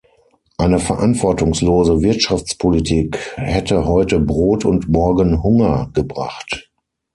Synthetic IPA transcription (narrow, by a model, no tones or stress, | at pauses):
ʔaɪnəfɛɐʔantv̥ɔɐtʊŋsloːzəvɪɐtʃaft͡spʰolitʰiːkhɛtəhɔʏtəbʁoːtʰʊntmɔɐɡənhʊŋɐɡ̥əbʁa̰χt